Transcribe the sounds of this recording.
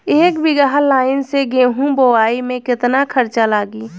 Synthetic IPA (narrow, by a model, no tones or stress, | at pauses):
eːkbɪɡaɦlaːɪnseɡeːɦũbowaːimẽkɪt̪nakʰəɾt͡ʃalaːɡiː